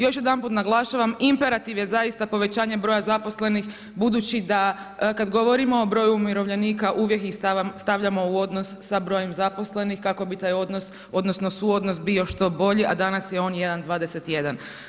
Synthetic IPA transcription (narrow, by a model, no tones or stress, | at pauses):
jo̞ʃjed̪anpuːt̪naɡlˠaʃaʋamimpe̞ɾat̪iʋje̞zajist̪apo̞ʋe̞t͡ɕaːɲebɾo̞ːjazapo̞sle̞nix | bud̪uːt͡ɕid̪a | kad̪ɡo̞ʋo̞ɾimo̞ːbɾojuumjiɾo̞ʋʎe̞niːkaʔuːʋje̞kist̪ast̪aʋʎamo̞uo̞d̪no̞sːabɾo̞jemzapo̞sle̞nixkako̞bit̪aːjod̪nos | o̞d̪nosno̞suo̞d̪nosbio̞ʃt̪o̞bo̞ʎiʔad̪anasjeo̞ːnje̞d̪and̪ʋaːd̪eset̪je̞d̪an